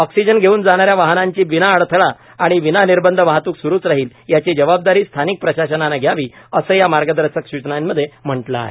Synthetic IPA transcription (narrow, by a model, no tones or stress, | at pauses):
ɔksid͡ʑənɡʱeuːnd͡zaɽ̃aɾjaʋaɦnaɲt͡ɕiːʋinaːɭt̪ʰəɭaː | ɽ̃iʋinaniɾbənd̪ʱəʋaɦt̪uːksuɾuːt͡sɾaɦiːljat͡ɕid͡ʑəʋab̚d̪aɾiːst̪ʰanik̚pɾəɕaɕənanaɡʱjaʋiːəsəːjamaɾɡəd̪əɾsəkɕut͡ɕnajnməd̪ʱːjem̤əɳʈlaɦḛ